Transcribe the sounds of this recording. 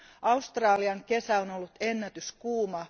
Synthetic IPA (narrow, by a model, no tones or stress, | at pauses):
ʔɑust̪rɑːliɑŋke̞sæo̞no̞lːut̪e̞nːæt̪yskuːmɑ